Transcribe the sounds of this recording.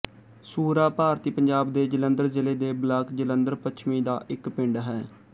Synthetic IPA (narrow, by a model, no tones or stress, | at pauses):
suːɾaːpaːɾt̪iːpəɲd͡ʒaːbd̪eːd͡ʒələnd̪əɾzɪleːd̪eːblaːkd͡ʒələnd̪əɾpət͡ʃʰmĩːd̪aːʔɪkpɪɳɖɦɛː